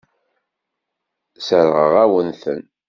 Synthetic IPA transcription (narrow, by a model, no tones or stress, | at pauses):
səɾʁəʁæwənθə̰n